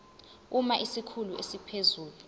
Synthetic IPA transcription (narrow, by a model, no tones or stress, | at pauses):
umaʔisikʰuluʔesipʰezuːlu